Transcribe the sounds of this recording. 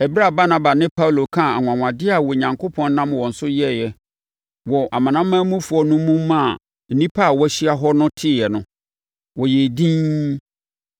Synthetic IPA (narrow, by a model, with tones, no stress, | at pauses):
ɛ˨bɪ˦ɾa˦˨ba˦nã˦ba˨nɪ̃˦pʰa˦wlo˨kʰã˦˨a˨ŋʷ˨ã˨ŋʷã˨dɪ˦a˨wɔ˨ɲã˨ŋkʰo˦pʰɔ̃˦n˦nã˦mwɔ˨n̩˨sʊ˦jɛ˦˨jɛ˦ | wɔ˨ʔa˨mã˨nã˦mː˦ã˦mũ˦fu˨˦ɔ˦nʊ̃˦mũ˦m˦mã˦˨ | n̩˨nĩ˦pʰa˦a˨wɔ˦æ˦ɕi˦a˦ɦɔ˦nʊ̃˦tʰɪ˦˨jɛ˨nʊ̃˦ | wɔ˨jɛ˨dĩ˦